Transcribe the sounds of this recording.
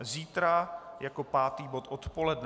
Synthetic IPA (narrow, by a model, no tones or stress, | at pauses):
ziːt̪ɾajako̞paːt̪iːbo̞t̪ʔot̪po̞lɛdn